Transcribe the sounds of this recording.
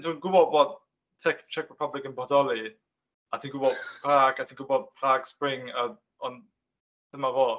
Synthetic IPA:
ndʰunɡʊbɔdvɔːd̚ | tʰɛkt͡ʃʰɛkʰɹɛpʰablɪkənbɔdɔlˠi | atʰiːnɡʊbɔdpʰraːɡatʰiːnɡʊbɔd̚pʰlaːɡspɾɪŋə | ɔn | d̥əmavoː

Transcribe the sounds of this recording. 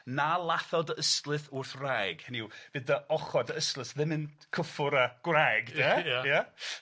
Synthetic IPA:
nalˠaθɔdəəstlˠɨθʊrθrajɡ̥hɛniwb̥ɨdəɔχɔdəəstlˠɨθðɪmɪnkʰəfʊɾəɡ̥wrajɡdɛja

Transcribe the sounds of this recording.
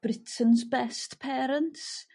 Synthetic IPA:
b̥ɾɪtʰənzbɛstpʰɛːɾənts

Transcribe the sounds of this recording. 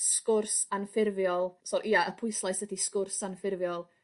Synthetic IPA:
skʊrsanfɪrvjɔlˠsɔɾʔiːaʔəpʰʊɨslˠajsdədiskʊrsanfɪrvjɔlˠ

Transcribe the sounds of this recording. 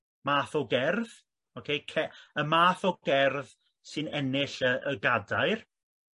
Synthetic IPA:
maːθɔɡɛrð̥ | ɔkʰejkʰɛəmaːθɔɡɛrð | sɨnɛnɪɬəʔəɡadaɨr

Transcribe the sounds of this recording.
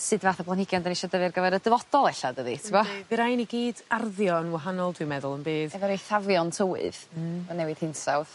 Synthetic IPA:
sɨdvaːθəblˠanhɪɡjandaniʃɔdəvɨrɡəvɛɾədəvɔd̥ɔlˠɛɬadəðitʰəmavɨɾajniɡiːdarðjɔnwaɦanɔlˠdwɨmɛðʊlˠənbeːðɛvɔɾejθavjɔntʰəwɨ̰ðɔnɛwɨð̥hɪnsawð

